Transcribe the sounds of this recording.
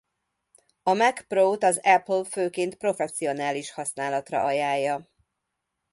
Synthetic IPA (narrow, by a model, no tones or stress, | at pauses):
ɒmɛkproːt̪ɒzɛplføːkeːnt̪pro̞fɛsːijo̞naːliʃhɒsnaːlɒt̪rɒ̰ʔɒjaːjːɒ